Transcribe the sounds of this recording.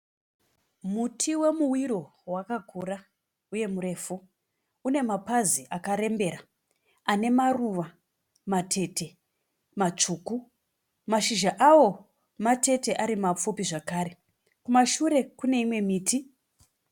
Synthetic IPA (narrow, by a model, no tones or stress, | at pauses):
mutʰiwe̞muwiɾo̞wakakʰura | uje̞muɾe̞ːfu | une̞mapaziʔakaɾe̞mbe̞ɾa | ane̞maruʋa | matʰe̞te̞ | mat͡ʂuːku | maʃiʒaʔawo̞ | mate̞te̞ʔaɾimap͡fupiʐakaːɾe̞ | kumaʃuɾe̞kune̞imwe̞miːtʰi